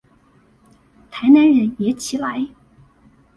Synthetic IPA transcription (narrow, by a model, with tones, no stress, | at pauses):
t̪ʰa˧˥ɪna˧˥nɻə˧˥njɛ˧˥t͡ɕʰi˨˧˥la˧˥ɪ